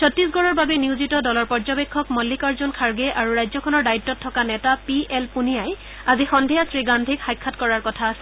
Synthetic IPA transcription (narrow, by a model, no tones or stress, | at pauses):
sʰɔtːɹisɡɔɹɔɹbabɛniuzitɔdɔlɔɹpɔɹzɔbekʰːɔkmɔlːikaɹzɔnkʰaɹɡɛʔaɹuɹajzɔkʰɔnɔɹdaitːɔtʰːɔkanɛtapiɛlpunijaj | azixɔndʱijasɹiɡandʱikxajkʰːatkɔɹaɹkɔtʰaːsɛ